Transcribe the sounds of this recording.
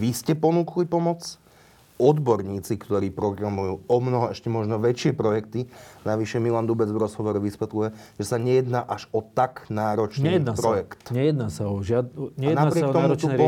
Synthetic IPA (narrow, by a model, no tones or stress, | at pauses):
ʋiscɛpɔnuːklipɔmɔt͡s | ɔd̪bɔɾɲiːt͡sikt̪ɔɾiːpɾɔɡɾamujuːɔmnɔɦɔɛʃcɛmɔʒnɔʋɛt͡ʃɪɛpɾɔjɛkt̪inaʋiʃɛmiland̪ubɛd͡zʋɾɔzɦɔʋɔɾɔʋisʋɛt̪lujɛʒ̥ɛsaɲɛjɛd̪naːʔaʒɔt̪aɡnaːɾɔt͡ʃnijɛnapɾɔjɛkt̪ɲɛjɛd̪naːsaɔʒɪad̪ɲɛanapɾɪɛkt̪ɔmuɾt̪uɔ